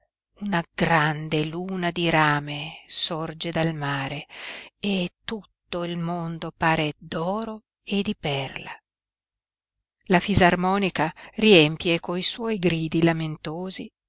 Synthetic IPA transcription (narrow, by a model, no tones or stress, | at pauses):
unaɡɾand̪eluːnad̪iɾaːmesord͡ʒed̪almaːɾeet̪ːut̪ːoilmond̪opaːɾed̪ɔːɾo | ed̪ːipɛrla | lafizarmɔːnikariɛmpjekoiswɔjɡɾiːd̪ilament̪oːzi